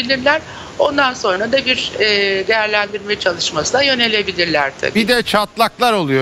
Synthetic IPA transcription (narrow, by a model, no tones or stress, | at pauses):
ilʲiɾlʲæɾ̥ | o̞nd̪anso̞nɾad̪abiɾɛːd̪e̞jæɾlʲænd̪iɾmɛjt͡ʃʰalˠɯʃmasɯnajø̞ne̞lʲe̞bilʲiɾlʲæɾ̥t̪ʰa̰bibid̪ɛt͡ʃʰat̪lˠaklˠaɾolˠujo